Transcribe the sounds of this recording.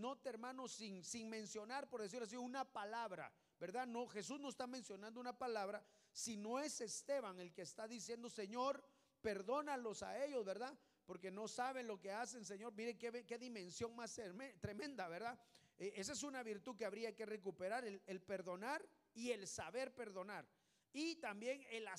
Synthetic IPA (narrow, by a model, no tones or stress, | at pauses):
no̞t̪eeɾmãno̞sinsiŋmẽ̞nsjo̞naɾpoɾðe̞s̬iɾloas̬iunapalaβɾa̰ | be̞ɾðano̞xe̞s̬uznoest̪amẽ̞nsjo̞nãnd̪ounapalaβɾa | sino̞e̞se̞st̪e̞βaŋe̞lkeːst̪aðis̬je̞nd̪o̞se̞ɲo̞ɾ | pe̞ɾðo̞nalo̞sa̰e̞ʎo̞zβe̞ɾða | po̞ɾke̞no̞saβe̞nlo̞ke̞as̬e̞ns̬e̞ɲo̞ɾmiɾekeβke̞ðimẽ̞nsjo̞ŋmast̪eet̪ɾemẽ̞nd̪aβeɾða | ees̬es̬unaβiɾt̪uðkeaβɾiake̞re̞k̬upe̞ɾaɾelelpe̞ɾðo̞naɾ | ie̞lsaβe̞ɾpe̞ɾðo̞naɾ | it̪ambje̞ŋela